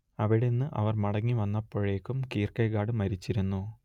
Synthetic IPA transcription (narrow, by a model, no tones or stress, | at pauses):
ɐʋiɽenːɨʔɐ̰ʋɐrmɐɽɐŋːiʋɐnːɐpːoːɻeːkːumkiːrkɐjɣaːɽɨmɐɾit͡ɕːiɾunːu